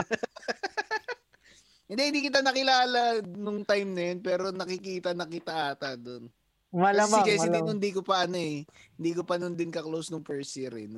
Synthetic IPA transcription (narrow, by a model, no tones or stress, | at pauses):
hɪnd̪ɛɪnd̪iːkɪt̪anɐkɪlaːlɐnʊŋt̪ajmnɐjonpɛːɾo̞nɐkɪkiːt̪ɐnɐkɪt̪ɐʔaːt̪ɐd̪on | mɐlamkɐjsɪd̪ioɪnd̪iːkopɐʔɐnoɛ | hɪnd̪iːkopɐnʊnd̪ɪnkɐklowsnʊŋpɛɹsiɾɪ̰n